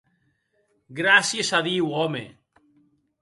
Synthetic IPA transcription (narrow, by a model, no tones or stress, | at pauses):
ɡɾasjesaðiwomḛ